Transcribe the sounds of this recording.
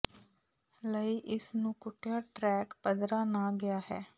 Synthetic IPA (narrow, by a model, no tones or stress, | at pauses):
ləiːʔɪsnũːkʊʈʰːjaːʈɾɛːkpəd̪ɾaːnãːɡɪjaːɦɛː